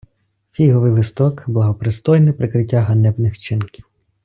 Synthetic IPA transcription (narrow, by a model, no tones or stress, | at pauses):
t͡sʲijɦɔʋɪlˠɪst̪ɔkblˠɐɦɔpɾɪst̪ɔjnɪpɾɪkɾɪtʲːaɦɐnɛbnɪxt͡ʃɪnkʲɪw